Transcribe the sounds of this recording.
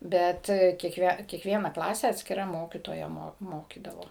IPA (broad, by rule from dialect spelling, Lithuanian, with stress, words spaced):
ˈbʲɛt kʲiɛkˈʋʲiɛ kʲiɛkˈʋʲiɛnɐ ˈklˠɑːsʲɛ ɐtʲsʲkʲɪˈrɐ ˈmoːkʲiːtoːjɛ ˈmoː ˈmoːkʲiːdɐʋoː